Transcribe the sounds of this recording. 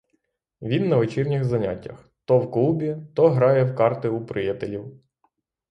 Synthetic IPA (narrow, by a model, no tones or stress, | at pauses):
ʋʲinːɐʋet͡ʃirnʲɪxzɐnʲatʲːɐ̰x | t̪ɔwklˠubʲit̪ɔɦɾɑjɛwkɑrt̪ɪupɾɪjɛt̪elʲiw